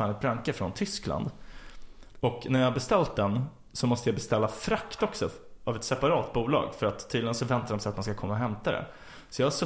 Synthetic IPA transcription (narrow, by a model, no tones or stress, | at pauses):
aːnɪt̪̚bɾaŋkəfɾɔnt̪ʰʏskla̰nd̪ | ɔknæɾjahabɛst̪ɛlt̪̚d̪ɛn | sɔmɔst̪əjabɛst̪ɛlːafɾakt̪ɔksɔavɛt̪sɛpaɾɑːt̪buːlɑ̰ːɡfœɾat̪ʰːiːd̪ɪɡənsɔvɛnt̪aɾɖɔmsɛjat̪manskakʰɔmːaɔɦɛmt̪ad̪ɛ̰ | sɔjɑhaʂɔ